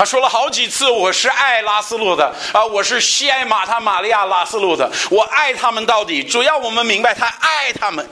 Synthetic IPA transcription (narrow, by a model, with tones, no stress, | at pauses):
t̪ʰa˥ʂwɔ˥lə˨xɑ˧˥ʊt͡ɕi˨˩t͡sʰɹ̩˥˩wɔ˨˩ʂɻ̩˥˧ʔa˥˩ɪla˥sɹ̩˥lɔ˥˩d̪ə˩ə˧wɔ˨˩ʂɻ̩˥˩ɕi˥a˥˩ɪma˨˩t̪ʰa˥ma˨˩li˥˧ja˥˩la˥sɹ̩˥lɔ˥˩d̪ə̰˩wɔ˨˩ʔa˥˩ɪt̪ʰa˥mə˨nt̪ɑ˥˩ʊt̪i˨˩ʈ͡ʂu˨˩jɑ˥˩ʊwɔ˨˩mə˦nmi˧˥ŋba˧ɪt̪ʰa˥ʔa˥˩ɪt̪ʰa˥mə˨n